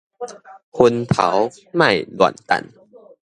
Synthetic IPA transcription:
hʰo˧nt̪ʰa̰˨˦w | ma˥˩jlṵ˨nt̪a̰˨˩n

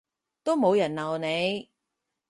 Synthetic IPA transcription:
t̪o˥wmo˨˧wjɐ˨˩nlɐ˨wne˨˧j

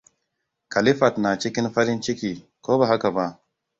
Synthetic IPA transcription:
kɐ˨li˦fa˨t̪naː˨t͡ʃi˦ki˦nfa˦ɾi˦nt͡ʃi˦ki˨ | ko˦ba˨ɦa˦ka˨ba˦˨

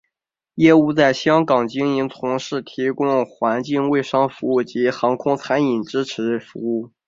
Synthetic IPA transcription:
jɛ˥u˥˧t͡sa˥˩ɪɕjɑ˥ŋkɑ˨˩ŋt͡ɕi˥ŋi˧˥nt͡sʰʊ˧˥ŋʂɻ̩˥˩t̪ʰi˧˥kʊ˥ŋxwa˧˥nt͡ɕi˥˧ŋwe˥˩ɪʂɑ˥ŋfu˧˥u˥˩t͡ɕi˧˥xɑ˧˥ŋkʰʊ˥ŋt͡sʰa˧˥ni˨˩ŋʈ͡ʂɻ̩˥ʈ͡ʂʰɻ̩˧˥ə˧˩fṵ˧˥u˥˩

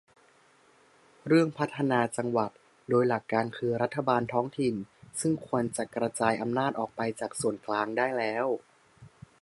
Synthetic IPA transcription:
ɾɯ˥˩əŋpʰa˦˥t̪ʰːa˧naː˧t͡ɕa˧ŋwa˨˩t̪̚ | doː˧jla˨˩kːaː˧nkʰɯː˧ɾa˦˥t̪ʰːa˧baː˧nt̪ʰɔː˦˥ŋt̪ʰi˨˩nsɯ˥˩ŋkʰu˧ənt͡ɕa˨˩kɾa˧t͡ɕaː˧jʔa˧mnaː˥˩t̪̚ʔɔː˨˩k̚pa˧jt͡ɕaː˨˩k̚su˨˩ənklaː˧ŋdaː˥˩jlɛː˦˥w

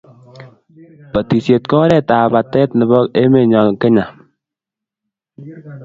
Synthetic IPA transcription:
pa˨t̪i˨sje˨t̪̚kɔ˦ɾɛ˦˨ta˨ba˨t̪ɛ˦tnɪ˨bɔ˦e˦me˨ɲɔ˨ŋkɪ˦ɲa˨

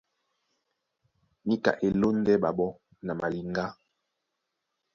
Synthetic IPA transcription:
mi˦ka̰˨ʔe˨lo˦n˦dɛ˦ɓa˨ɓɔ˦ | na˨ma˨li˨ŋɡa˦

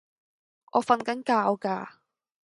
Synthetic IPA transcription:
ʔɔː˨˧fɐ˧nkɐ˨˥nkaː˧wkaː˧

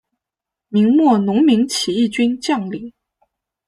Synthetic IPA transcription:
mi˧˥ŋmwɔ˥˩nʊ˧˥ŋmi˧˥ŋt͡ɕʰi˨˩i˥˩t͡ɕy˥nt͡ɕjɑ˥˩ŋli˨˩˦

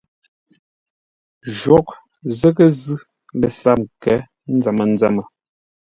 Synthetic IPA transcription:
ʒwɔ˦k̚ | zə˦kə˦zʉ˦ | le˨sa˦˨m̚kɛ˨˦ | n̩˦d͡zɛ˨mə˨n̩˦d͡zɛ˦mə˨

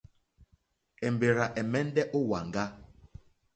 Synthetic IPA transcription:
ɛ˨m˨be˨ɾa˨ʔɛ˨mɛ˦n˦dɛ˦ʔo˦wa˨ŋɡa˦

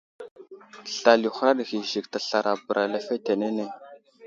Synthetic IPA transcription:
ɬa˨lju˨xɾa˦ɗɣi˨ʒi˨k̚ta˨ɬa˨ɾa˨bə˨ɾʔa˨la˦fe˦te˨ne˦ne˦

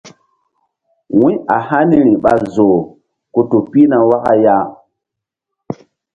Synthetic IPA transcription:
wĩ˦a˨ha˦ni˦ɾi˨ɓa˨zo˨ | ku˨tu˨pi˦na˨wa˦ka˦ja˦

